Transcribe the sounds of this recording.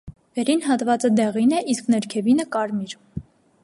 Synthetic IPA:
vɛɾinɦɑt̪vɑt͡səd̪ɛʁinɛʔisknɛɾkʰɛvinəkɑɾmiɾ

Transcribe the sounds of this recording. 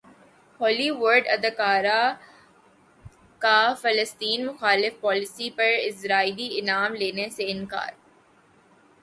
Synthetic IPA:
hɔːliʋʊɾɖɐd̪əkaːɾa | kafɐləst̪iːnmʊxaːlɪfpɔːlɪsipɐɾɪsɾaːiːliɪnaːmleːneseɪ̃nka̰ːɾ

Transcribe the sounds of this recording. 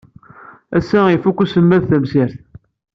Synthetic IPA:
æsːæifukːusəmːæðθæmsiɾθ

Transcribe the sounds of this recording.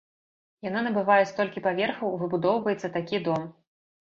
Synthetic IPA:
jananɐbɨvajɛst̪ɔlʲkʲipavʲɛrxɐwvɨbud̪ɔwvɐjɛt̪sːɐt̪akʲid̪ɔm

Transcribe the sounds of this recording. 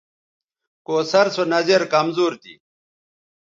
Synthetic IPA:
koːsɐɾsonɐzeɾkɐmzuːɾt̪ḭ

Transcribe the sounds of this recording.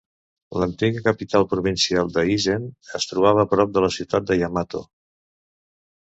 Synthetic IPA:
lənt̪iɣəkəpit̪alˠpɾuβinsialˠd̪əiʒenəst̪ɾuβaβəːpɾɔp̚d̪ələsiwt̪at̪̚d̪əjamat̪o̰

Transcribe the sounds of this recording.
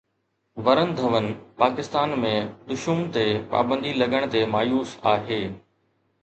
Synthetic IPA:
ʋɐɾən̆d̪ʱɐʋənɪ̆paːkɪst̪aːnmẽd̪ʊʃumt̪epa̰ːbə̃nd̪ʱilɐɠəɽ̃t̪emaːjuːsaːɦeː

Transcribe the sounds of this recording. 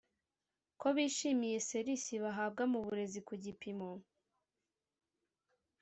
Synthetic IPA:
ko̞βiːʃimije̞se̞ɾisiβaɦaːb̚ɡamuβuɾe̞zikuɟipimo

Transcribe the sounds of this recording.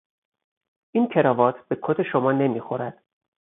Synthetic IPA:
ʔiːncʰe̞ɾɒːvɒːt̪ʰb̥e̞kʰot̪ʰeʃomɒːne̞miːxo̞ɾæd̪̥

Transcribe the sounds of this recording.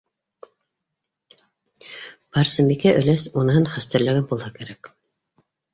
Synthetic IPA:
pɑɾsɤmikæʔɵ̆læsunɤɤnχæst̪æ̆ɾlæ̆ɡɘnbulˠhɑkæɾæk

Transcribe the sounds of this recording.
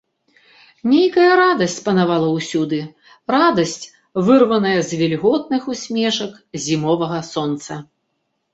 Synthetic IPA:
nʲejkɐjɐɾad̪ɐsʲt͡sʲpɐnavalˠɐwsʲud̪ɨ | rad̪ɐsʲt͡sʲ | vɨrvɐnɐjɐzʲvʲɛlʲɣɔt̪̚nɨxusʲmʲɛʂɐk | zʲimɔvɐɣɐsɔnt̪sɐ

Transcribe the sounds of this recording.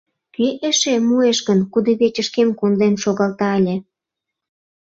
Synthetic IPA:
keʔeʃemueʃɣənkud̪eβet͡ɕəʃkemkond̪enʃoɣɑlt̪ɑelʲĕ

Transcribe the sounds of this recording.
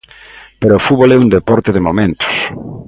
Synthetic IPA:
peɾoːfuβolɛund̪epɔɾt̪ɪðɪmomẽnt̪ʊ̥s

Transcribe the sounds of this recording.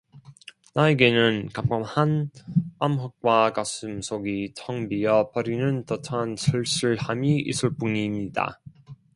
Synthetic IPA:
naeɡe̞nɯnkamɡʌmhanamɦʌk̚k͈wakasɯmsʰoɡitʰʌŋbijʌpʌɾinɯntʌtʰʌnsʰɯɭɕ͈iɭhamiḭsʰuɭp͈unimɲida̰

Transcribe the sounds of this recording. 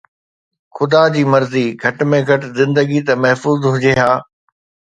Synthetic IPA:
xʊd̪ad͡ʑiːmɐɾziɡʱɐʈmẽɡʱɐʈzɪ̃nd̪əɡit̪ɐmɐɦfuːzɦʊd͡ʑeɦaː

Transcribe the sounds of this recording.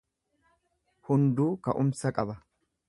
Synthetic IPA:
hʊnd̪uːkɐʔʊmsɐkʼɐbɐ

